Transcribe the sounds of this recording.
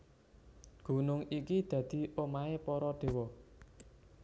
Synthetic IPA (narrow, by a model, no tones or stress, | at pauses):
ɡ̥ṳnʊŋikid̪̥ä̤d̪̥i̤ʔomaepɔɾɔɖ̪̥e̤wɔ